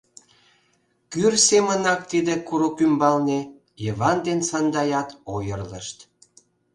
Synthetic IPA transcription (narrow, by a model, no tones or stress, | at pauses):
kyrsemənɑk̚t̪id̪ekuɾokymbɑlne | jəβɑnd̪ensɑnd̪ɑjɑt̪ojərlə̰ʃt̪